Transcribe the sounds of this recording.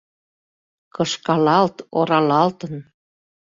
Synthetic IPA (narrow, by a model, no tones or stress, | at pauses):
kɤʃkɑlɑlt̪oɾɑlɑlt̪ən